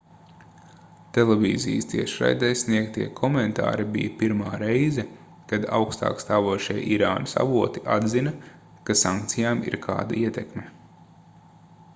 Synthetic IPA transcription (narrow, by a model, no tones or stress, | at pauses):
t̪elˠevḭːzḭjst̪iɛʃɾa̰jd̪ɛjsniɛkt̪iɛkʰɔment̪a̰ːɾibḭjpiɾmaːɾɛjzɛ | kad̪a̰wkst̪a̰ːkst̪aːvuɔʃiɛʔiɾaːnɐsa̰vuɔt̪i̥ʔa̰d̪zinɐ | kasaŋkt̪sijaːmḭɾkʰa̰ːd̪ɐiɛt̪ɛkmɛ